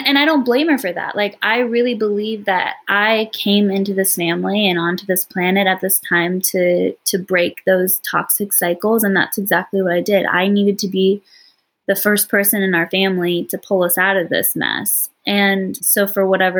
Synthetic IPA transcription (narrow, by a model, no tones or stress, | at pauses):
ɨ̃ñaɪɾõʊ̃nb̥lẽɪ̃mə˞fə˞ðæ̰ʔlʔaɪkʔaɪɹɪlˠibəlivðɨ̰ɾʔaɪkʰẽɪ̃mɪ̃ntʉðɪsfæ̃mliɨ̃nɑ̃ntʉðɪspʰl̥ænɨɾɨt̪̚ðɪstʰãɪ̃mtʰɨɾɨbɹeɪk̚ðoʊz̥tʰɑ̰ksɨksaɪkl̩ˠzə̃nðæ̰tsɨɡzæk̚tʰˡliwʌɾaɪdɪɾa̰ɪniɾɨd̚tʰɨbi | ðɨfɜ˞spʰɜ˞sɨ̃nɨ̃naʊə˞fæ̃mliɾɨpʰʊlˠʌsaʊɾʌvðɪ̰smɛ̰sʔɨ̃nsoʊfə˞wʌɾɛvə